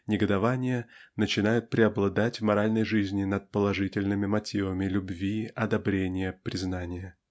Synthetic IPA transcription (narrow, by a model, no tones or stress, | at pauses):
nʲɪɡəd̪ɐvanʲɪjənət͡ɕɪnajʊt̪̚pɾʲɪɐblˠɐd̪atʲvmɐɾalʲnəjʐɨzʲnʲɪnət̪̚pəlˠɐʐɨtʲɪlʲnɨmʲɪmɐtʲivəmʲɪlʲʊbvʲiɐd̪ɐbɾʲenʲɪjəpɾʲɪznanʲɪjə